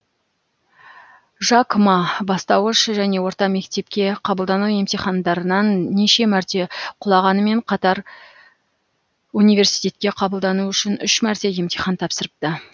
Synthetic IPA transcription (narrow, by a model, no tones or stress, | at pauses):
ʒɑkmɑbɑst̪ɑwəʃʒæne̞wo̞ɾt̪ɑme̞kt̪e̞p̚kʲe̞qʰɑbəlˠd̪ɑnuwje̞mt̪ijχɑnd̪ɑɾənɑnːeʃe̞mæɾt̪e̞qʰʊlˠɑʁɑnəme̞ɴqʰɑt̪ɑɾ | unijve̞ɾsijt̪e̞t̪̚kʲe̞qʰɑbəlˠd̪ɑnuʏʃɪnʏʃmæɾt̪e̞je̞mt̪iχɑnt̪ʰɑpsəɾəp̚t̪ə